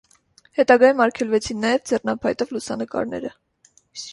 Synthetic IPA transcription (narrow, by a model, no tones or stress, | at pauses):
hɛt̪ɑɡɑjumɑɾkʰɛlvɛt͡sʰinːɑjɛvd͡zɛrnɑpʰɑjt̪ɔvlusɑnəkɑ̰ɾnɛ̰ɾə